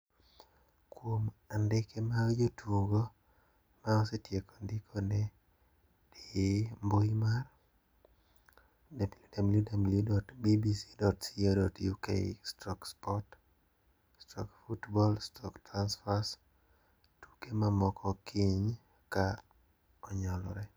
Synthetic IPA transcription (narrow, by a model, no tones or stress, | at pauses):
kwomandɪkʰemad͡ʒotwuŋɡo | maɔsetjekondɪkʰɔnɛ | dimbojimar | dabiljudabiljudabiljudɔtbibisi̥dɔtsiɔdɔtjukḛɪstɔkspɔt | stɔkfutbɔlstʰɔktɾansfas | tu̥kemamɔkʰɔkʰiɲ | ka | ɔɲɔlɔ̰ɾɛ